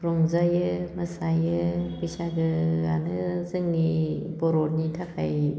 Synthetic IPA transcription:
ɾɔŋzajɯmasajɯbɯsaɡɯɡa̰nɯzɯŋnibɔɾɔtnitʰakʰa̰j

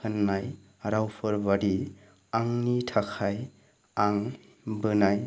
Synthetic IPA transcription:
ɯnːaj | ɾawpʰɯɾbaɾi | aŋnitʰakʰaj | aŋ | bɯnaj

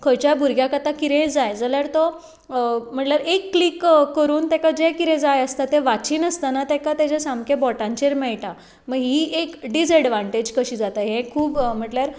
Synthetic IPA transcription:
kʰəjt͡ɕjabʱuɾɡjakat̪ãkiɾẽd͡zajd͡zəljaɾt̪ɔ | m̤əʈlaɾekːlikkːəɾuːnt̪ɛkad͡ʑẽkiɾẽd͡zajəst̪at̪ẽʋat͡ɕiːnəst̪anat̪ɛkat̪at͡ɕasãmkẽbɔʈãɲt͡ɕeɾmɛɭʈa | məɡɦiːekɖis̬əɽʋãɳʈed͡ʑkəɕiːd͡zat̪aɦẽkʰuːbm̤əʈljaɾ

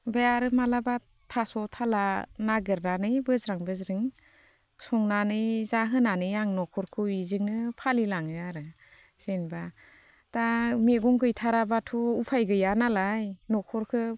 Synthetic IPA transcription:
bejaɾɯmalaba | tʰasɔtʰalanaɡɯɾnanɯjbɯzɾaŋbɯzɾɯŋ | sɔŋnanɯjzaɦɯnanɯjaŋnɔkʰɔɾkʰɯizɯŋnɯpʰalilaŋɯjaɾɯ | senba | tameɡɔŋɡɯjtʰaɾabatʰɔupʰajɡɯjanalajnɔkʰɔɾkʰɯ

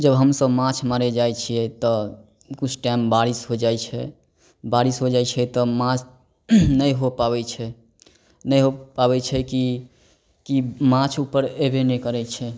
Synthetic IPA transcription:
d͡ʒəbɦəmsəbmãt͡ʃʰmaɾɛd͡ʒajt͡ʃʰiɛt̪ɔ | kut͡ʃʰʈaimbaɾisɦod͡ʒajt͡ʃʰɛ | baɾisɦod͡ʒajt͡ʃʰɛt̪ɔmãt͡ʃ | nəjɦopabɛt͡ʃʰɛ | nəjɦopabɛt͡ʃʰɛki | kimãt͡ʃʰupːəɾebenekəɾɛt͡ʃʰɛ

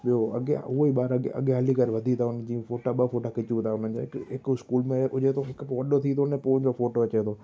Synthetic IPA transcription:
ɓijoɐ̰ɠɦʊoiɓaːɾɐɐ̰ɠeɦɐlikɐɾʋɐd̪ʱit̪ʰaʊnəd͡ʑiːfoːʈaɓɐfoːʈakɪt͡ɕũt̪ʰaʊn̤ənd͡ʑo̰ːɪkɪkɪskuːlmẽʔʊd͡ʑet̪ʰoɦɪkpʋɐɗot̪ʰit̪ʰonẽpoːnd͡ʑofoːʈoɐt͡ɕet̪ʰoː

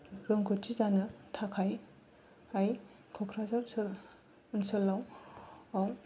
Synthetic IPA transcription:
ɾɔŋkʰɔtʰizanɯtʰakʰaj | aj | kʰɔkʰɾazapsl | nsɔlːaw | aw

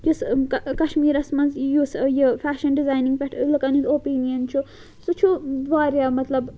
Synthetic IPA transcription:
jusɐkɐʃmiːɾɐsmɐnzjusjifʰaːʃɐnɖizaːjniŋɡpʲeʈʰlɨkɐnizoːpiːnijɐnt͡ʃʰu | sut͡ʃʰud̪ʋaːɾjaːmɐt̪lɐb

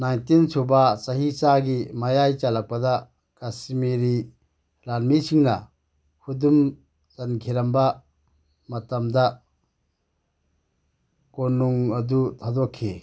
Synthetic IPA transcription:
najntinsʰubasaɦisaɡimajajt͡ʃalak̚pada | kasimiɾi | ɾanmisʰiŋna̰ | hudum | t͡ʃankʰiɾamba | matamd̪a | konuŋɐd̪utʰadɔkʰːe

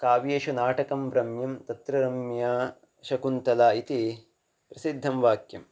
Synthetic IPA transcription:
kaːʋijeʃunaːʈɐkɐmbɾɐmjɐmt̪ɐt̪ɾɐɾɐmjaː | ʃɐkunt̪ɐlaːit̪i | pɾɐsid̪ʱːɐmʋaːkjɐm

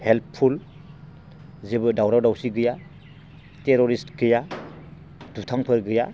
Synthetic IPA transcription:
helppʰːul | zebɯdawɾawdawsiɡɯja | teɾoɾistɡɯja | d̥utʰaŋpʰɯɾɡɯja

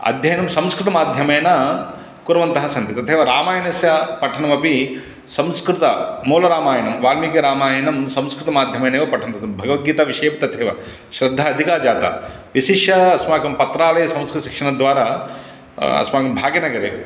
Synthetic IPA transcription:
ɐ̰d̪ʱjɐjɐnɐmsɐ̃mskɾɪt̪ɐmaːd̪ʱjɐmeːnɐ | kuɾɐʋɐnt̪ɐɦɐsɐnt̪it̪ɐt̪ʰeːʋɐɾaːmaːjɐnɐsjɐpɐʈʰɐɳɐmɐpi | sɐmskɾɪt̪ɐmoːlɐɾaːmaːjɐnɐmʋaːlmikeɾaːmaːjɐnɐmsɐ̃mskɾɪt̪ɐmaːd̪ʱjɐmeːnɐjʋɐpɐʈʰɐnt̪ɐɐmbʱɐɡɐʋɐt̪̚ɡiːt̪aʋiʂeːpt̪ɐt̪ʰeːʋɐ̰ | ʃɾɐd̪ʱːɐːd̪ʱikaːd͡ʒaːt̪a̰ː | ʋiʃiʃjɐɐsmaːkɐmpɐt̪ɾaːlɐjɐsɐ̃mskɾt̪ɐʃi̥kʂɐɳɐd̪ʋaːɾaː | ɐ̰smaːkɐmbʱaːɡjɐnɐɡɐɾḛ

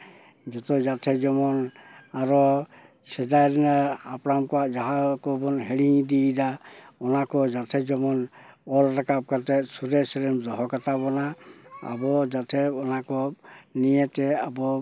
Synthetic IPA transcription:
d͡ʒɔt̪ɔd͡ʒat̪ʰɛd͡ʒɔmɔnaɾɔ | sɛdajɾɛnaapɾamkɔaʔd͡ʒaɦakɔbɔnɦɛɽiŋd̪idaɔnakɔd͡ʒatʰɛd͡ʒɔmɔn | ɔlɾakap̚katɛsuɾɛsɛɾɛmzɔɦɔkat̪abɔnaa̰bɔd͡ʒat̪ʰɛɔnakɔnijɛt̪ɛabɔ

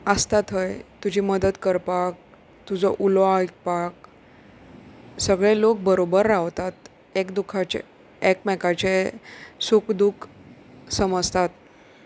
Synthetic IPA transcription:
əst̪at̪ɦəjt̪ud͡ʑʱiːməd̪ət̪kəɾpak̚ | t̪ud͡zɔʔulʋak̚pak̚ | səɡɭelok̚bəɾobəɾːaʋt̪at̪ | ekd̪ukʰːat͡ɕḛ | ekmɛkat͡ɕesukd̪ukʰ | səməd͡zʱt̪at̪̚

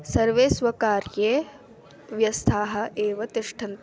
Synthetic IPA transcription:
sɐɾʋeːsʋɐkaːɾjeː | ʋjɐst̪ʰaːɦɐ̆ʔeːʋɐt̪iʂʈʰɐnt̪

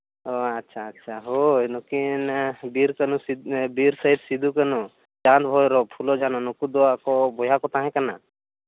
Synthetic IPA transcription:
ɔatːʃʰaːtːʃʰaɦojnɔkinbiɾkənuibiɾsəid̪sid̪ʱukənu | d͡ʒãt̪bʱɔjɾɔpʰulɔd͡ʒanɔnukud̪ɔakɔbɔjakɔt̪ãɦɛ̃kəna̰

